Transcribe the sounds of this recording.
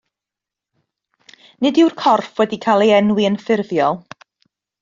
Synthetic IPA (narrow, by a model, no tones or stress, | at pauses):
nɨdɪwrkʰɔrfwɛdikʰaːlˠiɛnwiənfɪrvjɔlˠ